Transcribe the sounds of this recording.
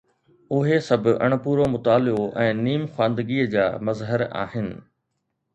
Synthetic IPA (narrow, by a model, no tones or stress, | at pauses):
ʊɦesɐbʱʊɐ̰ɽ̃̆puːɾomʊt̪aːlɪoʔɛ̃ːniːmxwãːnd̪əɡiːəd͡ʑaːmɐzɦəɾa̰ːɦɪnɪ̆